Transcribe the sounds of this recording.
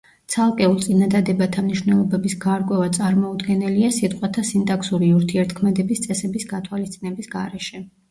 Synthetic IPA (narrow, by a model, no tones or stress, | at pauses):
t̪sʰalˠkʼɛulˠt̪sʼinad̪ad̪ɛbat̪ʰamniʃwnɛlˠɔbɛbisɡaɾkʼwɛvat̪sʼaɾmɔud̪ɡɛnɛliasit̪ʼqʼwat̪ʰasint̪ʼaksuɾiuɾt̪ʰiɛɾt̪ʰkʰmɛd̪ɛbist̪sʼɛsɛbisɡat̪ʰwalist̪sʼinɛbisɡaɾɛʃɛ